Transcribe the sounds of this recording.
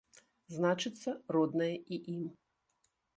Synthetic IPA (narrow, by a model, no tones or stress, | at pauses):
znat͡ʂɨt̪sːɐrɔd̪nɐjɛʔiʔim